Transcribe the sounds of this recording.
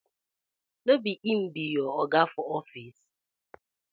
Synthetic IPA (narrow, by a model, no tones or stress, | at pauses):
lobiʔim̩bijɔɔɡafɔɔfis